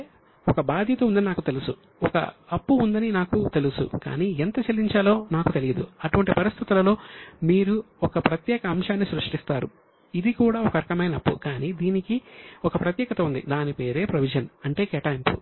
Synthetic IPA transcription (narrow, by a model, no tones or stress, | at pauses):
ɔkɐbaːd̪ʱjɐt̪ɐund̪ɐninaːkut̪e̞lusu | ɔkɐ̰ɐpːuːnd̪ɐninaːkut̪e̞lusṵka̰ːniːent̪ɐt͡ʃelːiɲt͡ʃɐlo̞ːnaːkut̪elijɐd̪uɐʈuʋɐɳʈipɐɾist̪ʰit̪ulɐlo̞ːmiːɾu | ɔkɐpɾɐt̪jɛːkɐːmʃaːnːisɾuʂʈist̪aːɾu | id̪ikuːɽaːɔkɐɾkɐmɐjnɐɐpːṵkaːniːd̪iːnikiɔkɐpɾɐt̪jɛːkɐt̪ɐund̪ḭd̪aːnipe̞ːɾe̞ːpɾɐʋid͡ʒɐnɐɳʈe̞ːkɛːʈaːjmpṵ